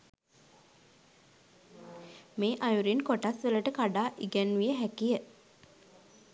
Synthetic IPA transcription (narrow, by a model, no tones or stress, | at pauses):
meːʔajuɾinkoʈasʋələʈəkaɖaːʔiɡænʋijəɦækijə